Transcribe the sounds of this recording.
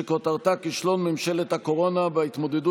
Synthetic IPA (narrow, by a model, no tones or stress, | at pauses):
ekot̪aʁt̪akiʃlo̞nmemʃelet̪hako̞ʁonaveit̪mo̞d̪edu